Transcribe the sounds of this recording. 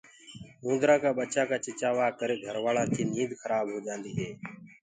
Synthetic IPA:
mũːnd̪ɾaːkaːɓətːt͡ʃaːkaːt͡ʃɪt͡ʃaːʋaːkəɾeːɡʱəɾʋaːlãːt̪ʰiːniːd̪xʰəɾaːbɦoːd͡ʒãːnd̪iːɦeː

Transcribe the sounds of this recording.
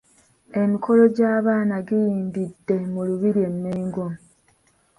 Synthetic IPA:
e̞mikʰo̞lo̞ɟaːβaːnaɡijiːmbidːe̞muluβiɾie̞mːeːŋɡom

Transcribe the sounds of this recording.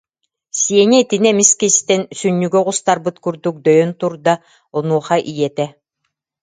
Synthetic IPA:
siɛnɛit̪inɛmiskist̪ɛnsynːyɡœʁust̪aɾbɯt̪kyɾd̪uk̚d̪œjœnt̪uɾd̪a | ɔnuɔχaʔijɛt̪ɛ

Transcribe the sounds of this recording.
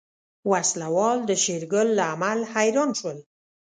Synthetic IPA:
waslawɑld̪əʃeɾɡəlːaamalhajɾɑnʃwəl

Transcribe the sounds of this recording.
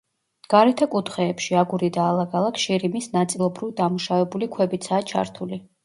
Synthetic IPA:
ɡ̥aɾɛt̪ʰakʼut̪ʰχɛːpʃiaɡuɾid̪aːlˠaɡalˠakʰʃiɾimisnat̪sʼilˠɔbɾivd̪amuʃavɛbulikʰwɛbit̪sʰaːt͡ʃʰa̰ɾt̪ʰuli

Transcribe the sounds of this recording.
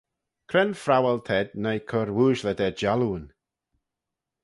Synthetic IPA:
kʰɾɛnfɾawəlt̪ʰɛd̪najkʰɔɾwuːʒləd̪ɛd͡ʒaluːən

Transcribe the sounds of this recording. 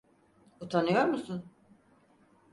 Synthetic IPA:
ut̪ʰanɯjo̞ɾmusun

